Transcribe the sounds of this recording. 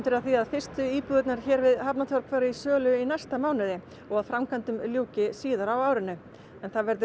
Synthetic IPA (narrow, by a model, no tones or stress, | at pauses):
t̪ɪɾaðθiaðfɪr̥st̪ʏiːpʏðʏt̪naɾ̥çɛːɾvɪðhapnat̪ʰœɾpfaɾaisœːlʏinajst̪amaːwnɪðɪ | ɔɣaðfɾamkʰant̪ʏmljuːwcɪsiːðaɾawaːwɾɪnʏ | ɛnθaðvɛɾðʏ